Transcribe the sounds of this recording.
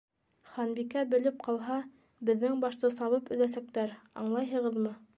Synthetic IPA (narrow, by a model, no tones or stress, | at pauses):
χɑnbikæbɘ̆lɘp̚qʰɑlˠɦɑ | bɘ̆ðːɘŋbɑʃt̪ɤsɑβɤpɵ̆ðæsæk̚t̪æɾɑ̰ɴlˠɑjɦɤ̆ʁɤðmɤ